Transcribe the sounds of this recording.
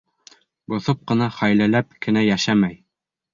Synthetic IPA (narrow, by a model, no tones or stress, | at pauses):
bŏθop̚qɤ̆nɑχæjlælæp̚kɘ̆næjæʃæmæj